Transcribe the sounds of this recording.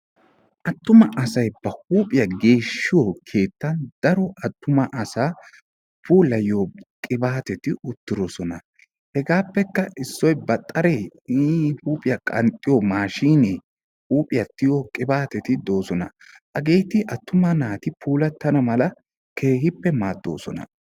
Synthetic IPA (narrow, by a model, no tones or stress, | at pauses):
ʔɐt̪ːʊmɐʔɐsɐjbɐhuːpʼɪjɐɡe̞ːʃːɪjokʰe̞ːt̪ːɐnd̪̥ɐɾɔʔɐt̪ːʊmɐʔɐsaː | pʰuːlɐjoːkʼɪbaːt̪ɛt̪ɪʊt̪ːɪɾɔsɔnɐ | hɛɡaːpːɛkːɐʔɪsːɔjbɐt̪ʼːɐɾej | huːpʼɪjɐkʼɐnt̪ʼːɪjɔmaːʃiːne | huːpʼɪjɐt̪ːɪjokʼɪbaːt̪ɛt̪ɪd̪o̞ːsɔnɐ | ʔɐɡe̞ːt̪ɪʔɐt̪ːʊmɐnaːt̪ɪpʰuːlɐt̪ːɐnɐmɐlɐ | kʰe̞ːhɪpːɛmaːd̪ːo̞̰ːsɔnɐ̰